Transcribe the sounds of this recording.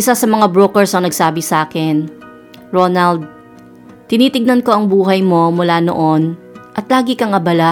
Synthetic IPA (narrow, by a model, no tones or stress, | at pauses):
ʔɪsasɐmɐŋabɹoːkɛɹsɐŋnɐɡsaːbɪsʔaːkɪn | ɹonɐld̪̚ | t̪ɪniːt̪ɪɡ̚nɐnko̞ʔɐŋbuːɦɐjmo̞mʊlaːno̰ʔo̞n | ʔɐt̪laːɡɪkɐŋʔɐbɐla